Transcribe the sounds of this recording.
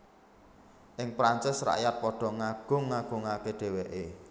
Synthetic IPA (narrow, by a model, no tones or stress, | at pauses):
ʔɪŋpɾant͡ʃɪsra̰ʔjat̪̚pɔɖ̥ɔ̤ŋaɡ̥ʊ̤ŋːaɡ̥ʊ̤ŋakeɖ̥e̤weʔe